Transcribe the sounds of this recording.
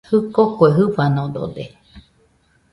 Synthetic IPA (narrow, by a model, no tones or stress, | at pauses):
hɨkokoeɦɨfanõd̪o̰d̪e